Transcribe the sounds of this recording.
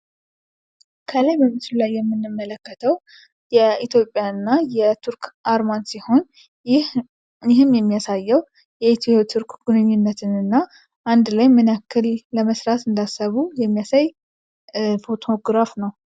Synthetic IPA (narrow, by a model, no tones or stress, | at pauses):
kʰəlajbəmɨsɨlulajːɛmːɨnːɨmːələkːət̪ʰəw | jɛit̪ʰjo̞pʼːjanːajɛt̪ʰuɾkʔaɾmansiho̞n | ɪɦɨmjɛmːijasajːɛw | jɛit̪ʰio̞t̪ʰuɾkɡ̥unɨɲːɪnːət̪ʰɨnɨnːa | ʔand̪lajmɨnakːɨlːəməsɾat̪ɨnd̪asːəβujɛmːijasaj | fo̞t̪ʰo̞ɡɾafnəw